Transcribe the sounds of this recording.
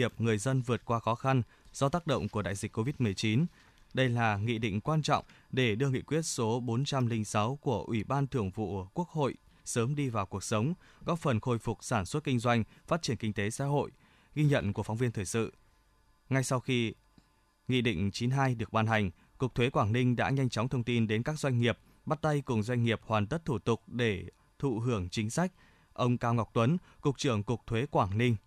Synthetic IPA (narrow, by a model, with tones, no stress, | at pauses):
i˨˩əp̚ŋɨ˨˩əjzə˧nvɨ˨˩ət̚kwaː˧xɔ˨˦xa˧n | z̥ɔ˧t̪aː˦˥k̚ɗə̰˧˨wŋ͡mku˧˩əɗa̰ː˧˨jzi˨˩k̟kːo˧vi˦˥t̚mɨ˨˩əjt͡ɕi˨˦n | ɗə˧jlaː˨˩ŋḭ˧˨ɗḭ̈˧˨ŋ̟kwaː˧nt͡ɕɔ̰˧˨wŋ͡mɗe˧˩ɗɨ˧əŋḭ˧˨kwi˦˥ət̚so˨˦ɓo˨˦nt͡ɕa˧mlï˧ŋ̟sa˨˦wku˧˩əʔwi˧˩ɓaː˧nt̪ʰɨ˧˩əŋvṵ˧˨ku˦˥ək̚ho̰˧˨j | səː˨˦mɗi˧vaː˨˩wku˨˩ək̚sə˨˦wŋ͡mkɔ˨˦fə˨˩nxo˧˩jfʊ˨˩k͡p̚saː˧˩nswə˦˥t̚kï˧ŋ̟zwa˧jŋ̟faː˦˥t̚t͡ɕi˧˩ənkï˧ŋ̟t̪e˨˦sa̰ː˧˥ɦo̰˧˨j | ɣi˧ɲə̰˧˨nku˧˩əfa˨˦wŋ͡mvi˧ənt̪ʰːjsɨ̰˧˨ | ŋa˧jsa˧wxi˧ | ŋḭ˧˨ɗḭ̈˧˨ŋ̟t͡ɕi˨˦nɦaː˧jɗɨ˨˩ək̚ɓaː˧nɦa˨˩jŋ̟ | kʊ˨˩k̚t̪ʰwe˨˦kwaː˧˩ŋnï˧ŋ̟ɗa̰ː˧˥ɲa˧jŋ̟t͡ɕɔ˨˦wŋ͡mt̪ʰə˧wŋ͡mt̪i˧nɗe˨˦nkaː˦˥k̚zwa˧jŋ̟ŋi˨˩əp̚ | ɓaː˦˥t̚t̪a˧jkʊ˨˩ŋ͡mzwa˧jŋ̟ŋi˨˩əp̚hwaː˨˩nt̪ə˦˥t̚t̪ʰu˧˩t̪ʊ˨˩k͡p̚ɗe˧˩ | t̪ʰṵ˧˨ɦɨ˧˩əŋt͡ɕï˨˦ŋ̟sa˦˥jk̟̚ | ʔə˧wŋ͡mkaː˧wŋa˨˩wk͡p̚t̪wə˨˦n | kʊ˨˩k̚t͡ɕɨ˧˩əŋkʊ˨˩k̚t̪ʰwe˨˦kwaː˧˩ŋnï˧ŋ̟